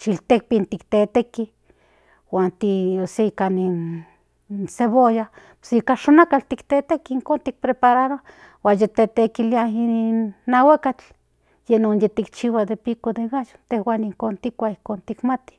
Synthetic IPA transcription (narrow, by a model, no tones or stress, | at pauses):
t͡ʃilt̪ek̚pint̪ikt̪et̪eki | waːnt̪ioseikanin | seβojapsikaʃonakalt̪ikt̪et̪ekiiŋkont̪ik̚pɾepaɾaɾo | waːnjet̪et̪ekiliainnːawekat͡ɬ | jenonjet̪ikt͡ʃiwad̪epikod̪eɣajo̥t̪ehwaniŋkont̪ikʷaihkont̪ikmat̪i̥